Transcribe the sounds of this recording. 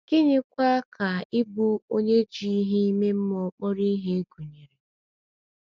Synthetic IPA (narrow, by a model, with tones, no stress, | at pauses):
kɪ˦ɲɪ˦kʷa˦ka˨ɪ˦bu˦o˦ɲe˦d͡ʒi˦i˦ɦi˦i˦me˦m̩˦mɔ˨˦k͡pɔ˦ɾi˦ɦe˦e˦ɡu˨ɲe˨ɾe˨